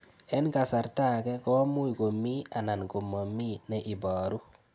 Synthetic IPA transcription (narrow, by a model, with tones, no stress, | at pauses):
ɛ˦nka˨sa˨ɾta˦kɛ˦kɔ˦mu˦jɡo˨mi˦a˨na˨nko˨mɔ˨mi˦nɛ˨ʔi˨baː˨ɾu˦